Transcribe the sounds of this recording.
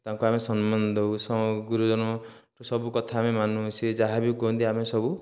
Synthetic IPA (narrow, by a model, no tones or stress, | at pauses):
t̪aŋkuamesɔnmɔnd̪ʱoɦusɔmɔɡuɾud͡ʒɔnɔ | ɾusɔbukɔt̪ʰaːmemanusʰid͡ʒaɦabikɔɦũnt̪iamesɔbu